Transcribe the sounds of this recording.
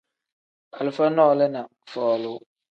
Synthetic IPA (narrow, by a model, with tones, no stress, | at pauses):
a˨lʊ˨fa˦nɔ˦˨lɛ˦na˨ | fɔː˨lʊ˦